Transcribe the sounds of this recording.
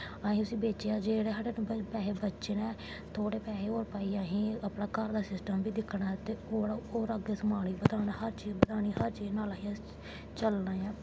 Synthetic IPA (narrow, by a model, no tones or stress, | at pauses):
aːɦĩt̪ʊsĩːbeːt͡ʃeaːd͡ʒeːɽeːɦəɽeːnũbpɛːɦeːbətːʃenɛ̃ː | t̪ʰoːɽeːpɛːɦeːoːɾpaːiːaːɦĩːəpɳãːkəɾd̪aːsɪsʈəmbiːd̪ɪkʰːɽaːɛt̪eːoːɽaoːɾəɡeːsəmaːɽiːbəd̪aːnaːhəɾt͡ʃiːzbəd̪aːniːhəɾt͡ʃiːznaːlaːɦĩa | t͡ʃəlnaːjãː